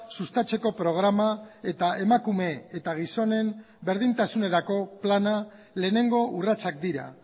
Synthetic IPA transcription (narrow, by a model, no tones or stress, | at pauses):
sust̪at͡ʃe̞ko̞pɾo̞ɣ̞ɾamae̞t̪aʔe̞makume̞et̪aɣ̞iso̞ne̞m | be̞ɾðint̪asune̞ɾako̞plana | le̞ːne̞ŋɡo̞ʔurat͡sak̚d̪iɾa̰